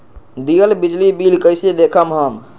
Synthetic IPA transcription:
d̪ijəlbid͡ʒlibilkəjsed̪ekʰəmɦəm

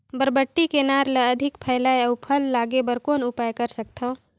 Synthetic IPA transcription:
bəɾbəʈːikenaːɾlɐɐd̪ʱɪkpʰɐjlaːjɐʊpʰəlːaːɡebəɾkoːnʊpaːjkɐɾsɐk̚t̪ʰo

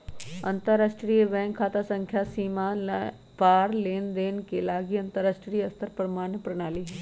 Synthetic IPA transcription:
ɐ̰̃nt̪əɾaːsʈɾiːʋɛ̃ːŋkkʰːaːt̪asə̃ŋkʰjaːsiːma | paːɾleːnd̪eːnkelaːɡiɐnt̪əɾaːsʈɾiːɐst̪ʰəɾpəɾmaːnpɾɐnaːliːɦɛː

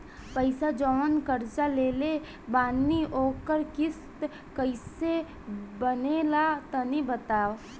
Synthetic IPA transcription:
pəɪsad͡ʒɔːnkəɾt͡ʃaleːle | baːniʔoːkəɾkɪst̪ | kəɪse | bənelat̪ənibət̪aː

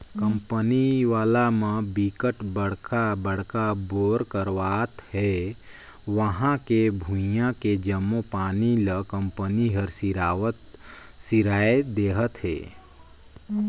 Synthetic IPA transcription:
kəmpəniʋaːlamə̃bikəʈbəɽ̤kabəɽ̤kaboɾkəɾʋat̪he | ʋəɦãkebʱũjãked͡ʒəmːopaːniləkəmpəniɦəɾsiɾaʋət̪ | siɾaed̪eɦət̪ɦḛ

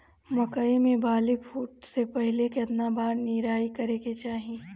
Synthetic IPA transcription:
mɐkəemẽbʱaːlipʰuːʈsepɐɦɪlekeɐt̪nabaːɾniɾaːikɐɾeːket͡ʃaːɦẽː

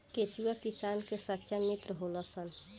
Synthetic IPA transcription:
ket͡ʃuakisaːnkesətːʃʰamit̪ɾəɦolɔsən

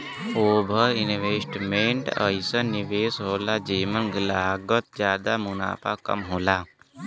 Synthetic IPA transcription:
oːbʱɐinʋeːsʈmeːɳʈə̰isəniʋeːsɦoːlaːd͡ʒeːmənɡəlaːɦɡət̪̚d͡ʒjaːd̪aːmuna̰ːpa̰ːkɐ̰mɦoːlaː

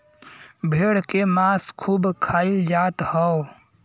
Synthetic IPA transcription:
bʱeːɽkemaskʰuːbkʰaːild͡ʒaːt̪həo

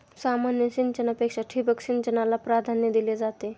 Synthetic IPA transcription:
saːmanjəsint͡ʃənapekʂaʈʰibəksint͡ʃənalapɾad̪ʱanjəd̪iled͡zat̪e

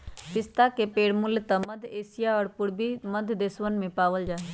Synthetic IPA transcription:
pɪst̪akepeːɽmʊljt̪aməd̪ʱeːsɪjaɔːɾpʊɾbiməd̪ʱd̪eːswənmẽpaːʋəld͡ʒaːe

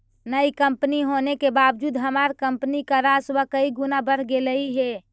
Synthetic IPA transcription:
nəikəmpniɦonekebaʋd͡ʒuːd̪ɦəmaɾkəmpnikaɾaswəkəiɡunabəɾ̤ɡeləiɦe

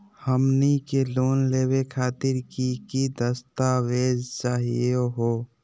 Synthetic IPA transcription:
həmnikeloːnleːwekʰaːt̪ɪɾkikid̪əst̪aweːd͡ʒt͡ʃaːɦḭoɦoː

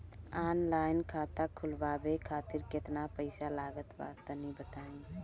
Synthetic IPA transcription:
aːnlaːɪnkʰaːt̪akʰʊlbabekʰaːt̪ɪɾkɪt̪napəɪsalaːɡət̪ba̰ːt̪ːənibət̪aːĩ

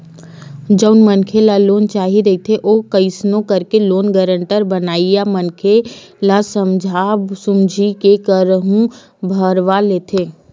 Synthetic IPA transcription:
d͡ʒəʊnmənkʰelaloːnt͡ʃaːɦiɾɐit̪ʰeʔokəɪsnõkəɾkeloːnɡəɾə̃ɳʈəɾbənaːijamənkʰe | lasəmd͡ʒʱaːbsʊmd͡ʒʱikekəɾəɦũ | bʱəɾʋaleːt̪ʰeː

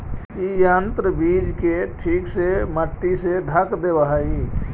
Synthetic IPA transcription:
kijaːnt̪ɾəbiːd͡ʒkeʈʰiːkseməʈːiseɖʱəkd̪ebaɦai

